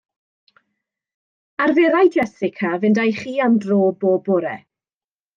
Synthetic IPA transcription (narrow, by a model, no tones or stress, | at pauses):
arvɛɾajd͡ʒɛsɪkʰavɨndajχiːandroːboːbʊɾɛ